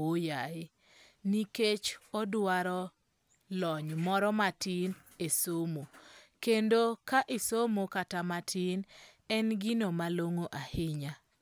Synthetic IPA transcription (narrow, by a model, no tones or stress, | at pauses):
ojaɪ | niket͡ʃɔdwaɾɔ | lɔɲmɔɾɔmatɪn | esomokendokaʔɪsomokatamatʰɪn | ɛnɡɪnomaloŋoʔahɪɲa